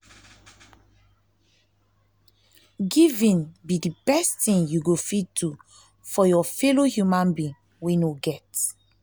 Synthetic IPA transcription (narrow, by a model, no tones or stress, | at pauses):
ɡivĩnbidibɛstĩnjuɡofid̚tʰu | fɔjɔfɛlohjumãnbĩŋ | wɛ̃njuɡɛt